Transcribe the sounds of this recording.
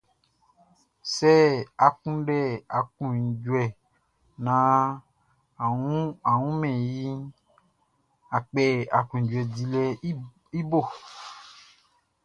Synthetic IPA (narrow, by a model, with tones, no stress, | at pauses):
sɛ˦a˨kũ˦ɖɛ˦˨a˨kũ˨d͡ʒu˨ɛ˨ | nã˨˦˨ | ũ˦a˨wũ˦mɛ̃˨ji˦ | a˨k͡pɛ˦a˨kũ˨d͡ʒu˨ɛ˨di˨lɛ˧˦ | i˦bo˦˨